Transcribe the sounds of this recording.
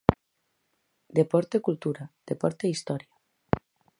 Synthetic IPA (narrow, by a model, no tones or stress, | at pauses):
d̪epɔɾt̪ekult̪uɾad̪̥epɔɾt̪eist̪ɔɾja